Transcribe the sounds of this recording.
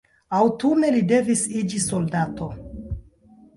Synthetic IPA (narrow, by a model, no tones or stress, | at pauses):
awtune̞lide̞visid͡ʒiso̞ldato̞